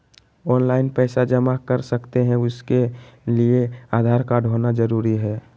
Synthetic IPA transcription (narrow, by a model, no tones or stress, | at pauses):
ɔːnlaːɪnpɛːsad͡ʒəmakəɾsəkt̪eɦɛ̃ʊskelieaːd̪ʱaːɾkaɖʱonad͡ʒəɾuːɾiɦɛː